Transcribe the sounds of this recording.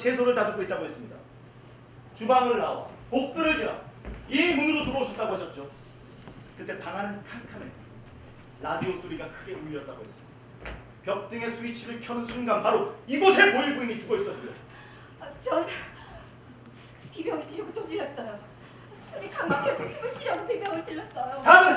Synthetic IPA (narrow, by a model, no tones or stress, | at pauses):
t͡ɕʰe̞s̬ʰoɾɯɭtadɯk͈oit̚t͈aɡoɦe̞s͈ɯmɲida̰ | t͡ɕubaŋɯɭnaowa̰pok̚t͈ɯɾɯɭd͡ʑia̰imunɯɾotubot͡ɕʰʌt͈aɡohaɕ͈ʌt̚t͡ɕ͈o | kɯt͈ʰe̞paŋanɯnkʰankʰamḛn | ɾadiosʰuɾiɡakʰɯɡe̞umiʌt̚t͈aɡo̰ɦe̞s͈ɯmɲidaa | pjʌk̚t͈ɯŋe̞sʰuwit͡ɕʰiɾɯɭkʰjʌdɯnsʰunɡanpaɾoiɡʌsʰe̞poiɭbuiɲit͡ɕuɡʌis͈ʌt̚k͈ujo | t͡ɕʌn | pibjʌŋɯɭt͡ɕiʎɡotod͡ʑiʎjʌs͈ʌjo | sʰɯmikaŋmakk͈ʰjʌs͈s͈ʰimɯɕ͈ʰiɾjʌnopibjʌŋɯɭt͡ɕiʎːʌs͈ʌjotaɯmɯn